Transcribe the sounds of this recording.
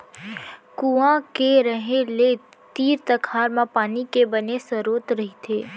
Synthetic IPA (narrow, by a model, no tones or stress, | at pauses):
kuãkeɾəɦele | t̪iːɾt̪ɐkʰaːɾmãpaːnikebɐnesɐɾoːt̪ɾɐɦit̪ʰeː